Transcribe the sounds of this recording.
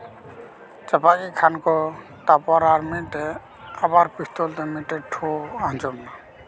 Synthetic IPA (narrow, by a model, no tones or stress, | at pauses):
t͡ʃapakikʰankɔ | t̪apaɾaɾmiʈɛ | abaɾpist̪ɔlt̪ɛmiʈɛʈʰɔad͡ʒɔmna